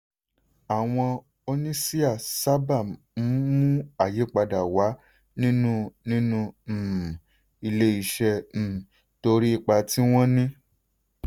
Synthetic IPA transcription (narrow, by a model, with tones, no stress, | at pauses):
a˨w̃ɔ̃˧ | o˧nĩ˦si˦a˦˨sa˦ba˦˨ | m̩˨˦mũ˦a˦˨je˨˦k͡pa˧da˨wa˨˦ | nĩ˦nũ˦nĩ˦nũ˦˨ | i˧le˧i˨ʃɛ̃˧˨ | to˧ɾi˦i˧˨k͡pa˧ti˦w̃ɔ̃˦nĩ˦